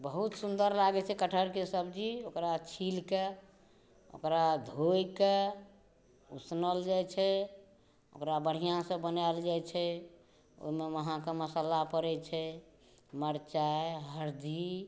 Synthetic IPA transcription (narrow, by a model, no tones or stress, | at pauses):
bəɦut̪sund̪əɾlaɡɛt͡ʃʰɛkəʈʰəɾkesəbd͡ʒiokɾat͡ʃʰilke | o̰kɾad̪ʱojke | ṵsnəld͡ʒajt͡ʃʰɛ | o̰kɾabəɽ̤ijãsəbbənaeld͡ʒajt͡ʃʰɛ | o̰imeməɦãkeməsalapəɾɛt͡ʃʰɛ | məɾt͡ʃaeɦəɾd̪i